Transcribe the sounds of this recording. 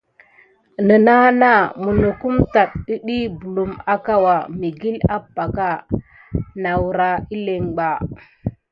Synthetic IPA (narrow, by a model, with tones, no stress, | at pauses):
nə˨na˦na˦˨mu˨nu˨ku˦mta˨ɗ̚ɗi˦ɗi˦bu˨lu˨ma˦ka˦wa˨mi˨ɡi˦la˦pːa˨ka˦˨ | na˨wu˨ɾa˨i˦le˨ŋɡ͡ba˨